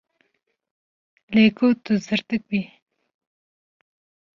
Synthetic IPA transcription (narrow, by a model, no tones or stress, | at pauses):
lekot̪uzəɾt̪əkwi